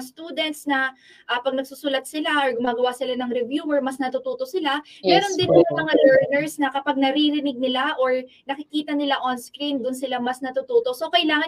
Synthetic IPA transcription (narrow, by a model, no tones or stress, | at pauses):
st̪uːd̪ɛnt̪snɐ | ʔɐpɐɡnɐɡ̚susuːlɐt̪̚sɪlaʔoɹɡʊmaːɡɐwasɪlanɐŋɾɛvjuːɛɹmɐsnɐt̪uːt̪uːt̪o̞sɪlamɛːɾo̞nd̪ɪnʔɐɐmɐŋalɛɹnɛɹsnɐkɐpaɡ̚nɐɾiɾɪnɪɡ̚nɪlaʔoɹ | nɐkɪkiːt̪ɐnɪlaʔonskɾind̪ʊnsɪlamɐsnɐt̪ut̪uːt̪o̞ʔso̞kɐʔɪlaːŋɐ